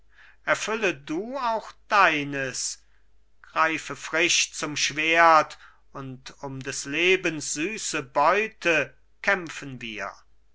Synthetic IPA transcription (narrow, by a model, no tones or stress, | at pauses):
ɛɐfʏləduːaʊxd̥aɪnəs | ɡ̥ʁaɪfəfʁɪʃt͡sʊmʃv̥eɐt | ʊntʰʊmdɛsleːbənsz̥yːsəbɔʏtʰə | kʰɛmfənvḭːɐ̰